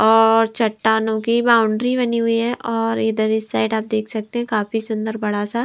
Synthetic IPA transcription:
ɔːɾt͡ʃɐʈːaːnõkibaːʊ̃ɳɖɾiβɐniɦʊiɦɛʔɔːɾɪd̪əɾɪsaːɪʈaːp̚d̪eːkʰsɐk̚t̪eɦɛ̃kaːfisʊ̃nd̪əɾbɐɽasa

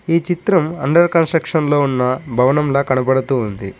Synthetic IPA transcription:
iːt͡ʃit̪ɾɐmɐɳɖɐɾkɐnsʈɾɐkʂɐnlo̞ːunːɐbʱɐʋɐnɐmlɐːkɐnɐbɐɽɐt̪uːnd̪i

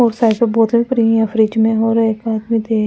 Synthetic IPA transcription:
oːɾsaːɪpebɔːt̪bĩːpəɾiːafɾiːt͡ʃmẽoːɾeːkbaːt̪bĩt̪eː

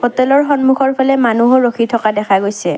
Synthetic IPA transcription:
pɔtɛlɔɹxɔnmuxʰɔɹpʰalɛmanuɦɔɹokʰitʰɔkadɛkʰaɡojsɛ

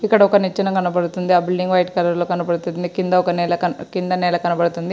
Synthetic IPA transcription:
ikːɐɽɐɔkɐnit͡ʃːɐnɐkɐnɐbɐɽut̪und̪iɐbilɖiŋɡʋɐjʈkɐlɐɾloːkɐnɐbɐɽut̪ud̪ikind̪ɐɔkɐnɛːlɐkɐkind̪ɐnɛːlɐkɐnɐbɐɽut̪und̪i

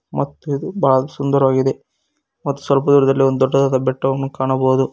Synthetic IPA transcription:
mɐt̪ːuid̪ubaːɭɐsund̪ɐɾuʋaːɡid̪e̞ | mɐt̪ːu̥sʋɐlp̬ɐd̪uːɾɐd̪ɐlːiond̪ud̪ɔɖːɐd̪ɐd̪ɐbɛʈːɐʋɐnːukaːɳɐboːd̪u

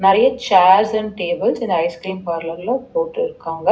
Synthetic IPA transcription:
nɪɾɐjɐt͡ʃaːɾsɐnʈeːbɪlsɪnd̪ɐɐɪskɾiːmpaːɾlɐɾlõpoːʈːɯɪɾɯkːaːŋɡɐ

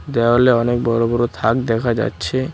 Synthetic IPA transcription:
d̪ɛaɦoleɔnek̚bɔlobɔɾot̪ʰak̚d̪ɛkʰad͡ʑa̰tːɕʰe

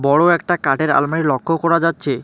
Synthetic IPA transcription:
bɔɽoɛk̚ʈakaʈeɾa̰lmaɽilɔkʰːokɔɾad͡ʑatːɕʰe

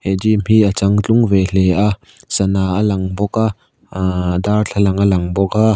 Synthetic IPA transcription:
hɛd͡ʒimhiət͡saŋt͡ɬʊŋvɛɬɛʔaʔ | sɐnaːalɐŋbɔkaʔ | darɬʰɐlɐŋalɐŋbɔka

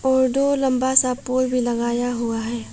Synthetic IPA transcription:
ɔːɾɖ̪oːlɐ̃mbasapoːlbʱilɐɡaːjaɦʊaɦɛː

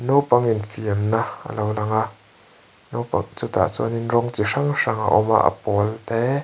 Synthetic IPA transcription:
nowpaŋinfiəmnaə̰lowlaŋaʔ | nowpa̰ŋt͡sut̪a̰ʔt͡sɔ̰ninrɔŋt͡siʂaŋʂaŋa̰ʔɔma̰ʔə̰pɔlt̪ɛ

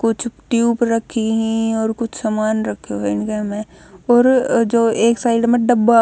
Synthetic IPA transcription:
kʊt͡ʃʰʈjuːpɾɐkʰːiɦĩɔːɾkʊt͡ʃʰsɐmaːnɾɐkʰːjoɪnkəmẽ | ɔːɾd͡ʒoːeːksaːɪɖmẽɖɐbːa

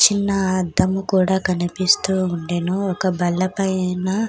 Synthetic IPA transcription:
t͡ʃinːɐd̪ɐmukuːɽaːkɐnipist̪uːuɳɖeːnuɔkɐbɐɭːɐpɐjna

